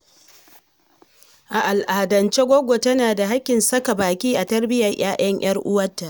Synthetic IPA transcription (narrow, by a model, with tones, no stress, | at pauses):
ʔa˨ʔa˨lʔa˨hdɐ˨nt͡ʃe˦ɡʷoː˦ɡʷo˨tɐ˦naː˨da˨ɦa˦kʲːɪ˨nsɐ˦ka˨baː˨kʲiː˦ʔa˨tɐ˦rbɪ˦jɐ˨rj̰aː˦j̰ɐ˦ŋj̰ɐ˦rʔʊ˦wɐ˦tːa˨ʔ